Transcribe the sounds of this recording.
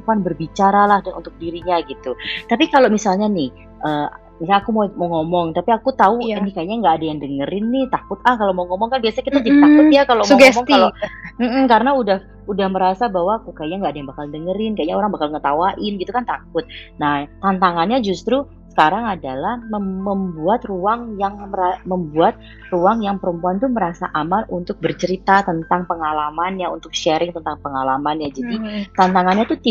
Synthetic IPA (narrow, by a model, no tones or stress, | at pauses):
panbərbit͡ʃaɾalahdanṵt̪ʊk̚diɾiɲaɡit̪ut̪apikalomisalɲanɪh | ʔəː | aːkumaɛməŋɔmɔŋt̪apiakut̪auinikajaɲaŋɡaːdajaŋdəŋəɾɪnːɪht̪akʊt̪̚ahkalomoŋɔmɔŋkanbiasaɲakit̪ad͡ʒt̪akʊt̪̚jakalomɡɛɔsmɔŋkalom̩m̩kaɾənaudah | udahməɾasabaɦwakukajaɲaŋɡaadajaŋbakaldəŋəɾɪnkajaɲaoɾaŋbakalŋət̪awaʔɪnɡit̪ukant̪ak̚ʊt̪̚naht̪ant̪aŋanɲad͡ʒust̪ɾu | sə̥kaɾaŋadalahməmməmbuat̪ruaŋjaŋməɾaməmbuat̪̚ | ruaŋjaŋpəɾəmpuant̪uməɾasaʔamanunt̪ʊk̚bərt͡ʃəɾit̪at̪ənt̪aŋpəŋalamanɲaunt̪ʊk̚ʃɛɾɪŋt̪ənt̪aŋpəŋalamanɲad͡ʒadit̪ant̪aŋanɲat̪ut̪i